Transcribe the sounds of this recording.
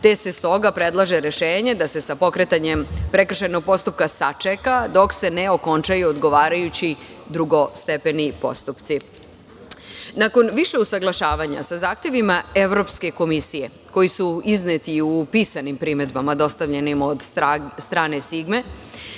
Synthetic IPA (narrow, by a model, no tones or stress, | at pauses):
t̪e̞se̞st̪o̞ɡapɾe̞d̪lˠaʒeɾe̞ʃeːɲe̞d̪ase̞sapo̞kɾe̞t̪aɲe̞mpɾe̞kr̩ʃajnoɡ̚po̞st̪up̚kasat͡ʂekad̪o̞kse̞neo̞ko̞nt͡ʃajuod̪ɡo̞ʋaːɾajut͡ɕi | d̪ɾuɡo̞st̪epe̞nipo̞̰st̪upt̪si | nako̞nʋiʃe̞usaɡlˠaʃaːʋaɲa̰sazaːxt̪je̞ʋimae̞ʋɾo̞pske̞ko̞misije̞ | ko̞jisuiznet̪iupiːsanimpɾime̞d̪bamad̪o̞st̪aʋʎe̞nimo̞d̪sst̪ɾaːnesiɡme̞